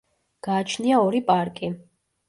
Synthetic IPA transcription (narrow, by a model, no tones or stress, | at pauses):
ɡ̥aːt͡ʃʰniaɔɾipʼaɾkʼi